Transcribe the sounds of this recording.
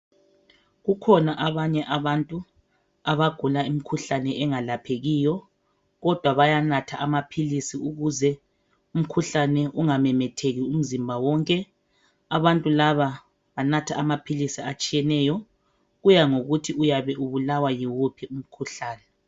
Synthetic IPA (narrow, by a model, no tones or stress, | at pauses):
ɣukʰɔnaʔaβaɲɛʔaβantʼu | aβaɡ̥ʱulaim̩kʰuɬanɛʔɛŋalapʰeɣiːjɔ | ɣɔd̥ʱwaβajanatʰaʔamapʰilisiuɣuzɛ | um̩kʰuɬanɛʔuŋamɛmɛtʰeɣium̩zimbʱawɔŋkʼɛ | aβantʼulaβa | βanatʰaamapʰilisiat͡ʃʼijɛnɛːjɔ | ɣujaŋoɣutʰiujaβɛʔuβulawajiwupʰium̩kʰuɬaːnɛ